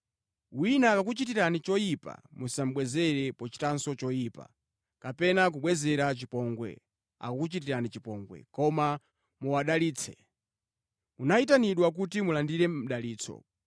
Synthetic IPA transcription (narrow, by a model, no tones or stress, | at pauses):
winakak̬ut͡ʃit̬iɾanit͡ʃɔjipa̰musam̩ɓwɛzɛɾɛpɔt͡ʃi̥tansɔt͡ʃɔjiːpa̰ | kapɛnak̬uɓwɛzɛɾat͡ʃipɔŋɡwɛ̰ | a̰kakut͡ʃitiɾanit͡ʃipɔŋɡwɛ̰kɔma | muwaɗaliːt͡sʰɛ̰ | unait̬aniɗwak̬utimulandiɾɛm̩ɗaliːt͡sʰɔ̰